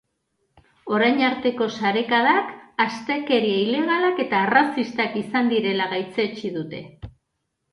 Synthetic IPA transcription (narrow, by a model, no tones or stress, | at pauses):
o̞ɾajɲaɾt̪e̞ko̞saɾe̞kaðakast̪e̞ke̞ɾieile̞ɣ̞alake̞t̪arasist̪akisand̪iɾe̞laɣajt͡se̞t͡ʃiðut̪e̞